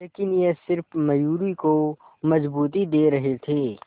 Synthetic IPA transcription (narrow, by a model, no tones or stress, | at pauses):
eːkɪnjesɪɾfmɐjuːɾiko | mɐzbuːt̪id̪eːɾɐɦet̪ʰeː